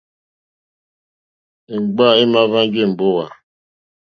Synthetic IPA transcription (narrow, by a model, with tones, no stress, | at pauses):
e˨ŋ͡m̩˨ɡ͡ba˦˨ɪ˦ma˦va˦ŋ˦ɡɪ˦m̩˨bʊ˦wa˨